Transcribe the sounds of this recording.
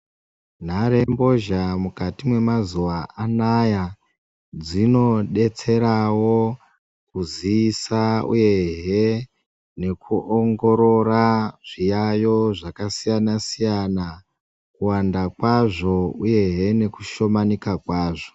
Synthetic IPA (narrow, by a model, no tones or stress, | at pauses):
n̤aɾe̞mbo̞ʒamukatimwe̞mazuʋaʔanaja | d͡zino̞ɗe̞t͡se̞ɾawo̞ | kuziːsaṵje̞ɦe̞ | ne̞kuʔoŋɡo̞ɾo̞ɾaʐijajo̞ʐakasijanasijana | kuwandakwaʐo̞uje̞ɦe̞ne̞ku̥ʃo̞manikakwaːʐo̞